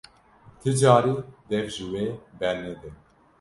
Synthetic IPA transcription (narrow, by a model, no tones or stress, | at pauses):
t̪ʰɨd͡ʒɑːɾiːd̪ɛvʒiweːbɛɾnɛd̪ɛ